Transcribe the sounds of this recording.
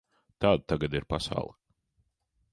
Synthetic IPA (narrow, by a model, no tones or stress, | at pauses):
t̪aːd̪̚t̪aɡad̪iɾpasa̰wlˠ